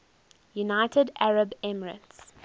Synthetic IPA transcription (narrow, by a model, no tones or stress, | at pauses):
junaɪtədæɹəbɛməɹə̰̃nts